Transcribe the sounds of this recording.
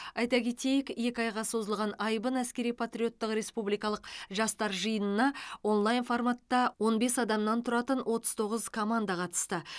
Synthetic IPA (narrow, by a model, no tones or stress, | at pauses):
ɑjt̪ɑkʲʰe̞t̪e̞jɪkje̞kʲɪɑjʁɑso̞zəlˠʁɑnɑjbənæskʲe̞ɾijpʰat̪ɾʲijo̞t̪ːəqɾe̞spublijkɑlˠəqʒɑst̪ɑɾʒəjənənɑwo̞nlˠajnfo̞rmat̪ːɑwo̞nbe̞sɑd̪ɑmnɑnt̪ʰʊɾɑt̪ənwʔo̞t̪ə̥zt̪ʰo̞ʁəzkʰo̞mand̪ɑqʰɑt̪ə̥st̪ə